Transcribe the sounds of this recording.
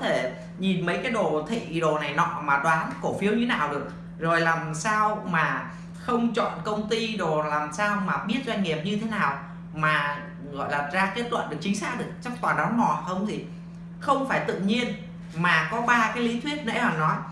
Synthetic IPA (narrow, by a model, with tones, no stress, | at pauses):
t̪ʰe˧˩ | ɲi˨˩nmə˨˦jkaː˨˦jɗo˨˩t̪ʰḭ˧˨ɗo˨˩na˨˩jnɔ̰˧˨maː˨˩ɗwaː˨˦nko˧˩fi˨˦əwɲɨ˧naː˨˩wɗɨ˨˩ək̚ | zo˨˩jlaː˨˩msaː˧wmaː˨˩ | xə˧wŋ͡mt͡ɕɔ̰˧˨nkə˧wŋ͡mt̪i˧ɗo˨˩laː˨˩msaː˧wmaː˨˩ɓi˦˥ət̚zaː˧ŋi˨˩əp̚ɲɨ˧e˨˦naː˨˩w | maː˨˩ | ɣɔ̰˧˨jlaː˨˩zaː˧ke˦˥t̚lwə̰˧˨nɗɨ˨˩ək̚t͡ɕï˨˦ŋ̟saː˦˥k̚ɗɨ˨˩ək̚t͡ɕa˦˥k̚t̪waː˨˩nɗɔ˨˦nnɔ˧˩hə˧wŋ͡mt̪ʰi˨˩ | xə˧wŋ͡mfaː˧˩jt̪ɨ̰˧˨ɲi˧ən | maː˨˩kɔ˨˦ɓaː˧kaː˨˦jli˨˦t̪ʰwi˦˥ət̚nḛ˧˥hɔː˨˩nɔ˨˦j